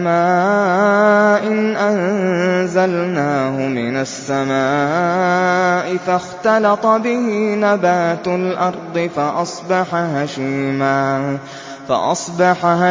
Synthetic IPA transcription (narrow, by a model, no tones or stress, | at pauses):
maː | ʔɪnʔannzalnaːhʊmɪnasːamaː | ʔɪfaxt̪ɑlɑt̪ˤɑbɪhinabaːt̪alʔɑɾˤd̪ˤɨfaʔɑsˤbɑħaɦaʃiːmaː | fa̰ʔɑ̰sˤbɑħaha